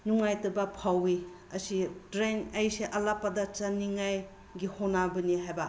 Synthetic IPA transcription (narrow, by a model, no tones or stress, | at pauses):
nuŋajtɐbɐpʰawi | ɐsidɾeŋɐjseʔɐlapːɐdɐt͡ʃaniŋaj | ɡihonabɐniɦajba